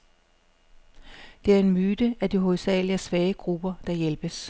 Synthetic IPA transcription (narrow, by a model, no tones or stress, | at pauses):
d̥e̝æɐe̝nmyːd̥əæd̥iɦo̝ð̩ˠsɛ̰ːliɐsʋɛːəɡ̥ʁub̥ɐd̥ɑ̈jelb̥əs